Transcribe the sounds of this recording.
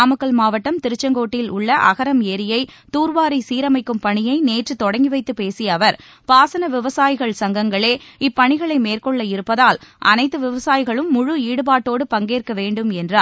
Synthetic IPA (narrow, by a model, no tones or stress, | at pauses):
aːmɯkːɐɭmaːʋɐʈːɐmt̪ɪɾɯt͡ʃːɐŋɡoːʈːɪlʊɭːɐʔɐ̰ɣɐɾɐmeːɾɪjɐɪt̪uːɾʋaːɾisiːɾɐmɐɪkːɯmpɐɳɪjɐɪneːʈrɯt̪ɔɽɐŋɡɪʋɐɪt̪ːɯpeːsɪjɐːʋɐɾ | paːsɐnɐʋɪʋɐsaːjɪɣɐɭsɐŋɡɐŋɡɐɭeːɪpːɐɳɪɣɐɭɐɪmeːrkɔɭːɐɪɾɯpːɐðaːlʔɐ̰nɐɪt̪ːɯʋɪʋɐsaːjɪɣɐɭɯmːʊɻuiːɽɯpaːʈːoːɽɯpɐŋɡeːrkɐʋeːɳɖɯmɛndraː